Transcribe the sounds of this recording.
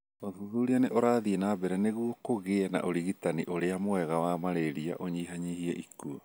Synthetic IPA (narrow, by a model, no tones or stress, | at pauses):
oðuðuɾianeʔoɾaːðienaːbɛɾɛneɣuɔkoɣeɛna̰ʔoɾiɣitaniʔoɾeamoɛɣawamaɾeɾia̰ʔoɲiːɦaɲihiɛʔikuɔ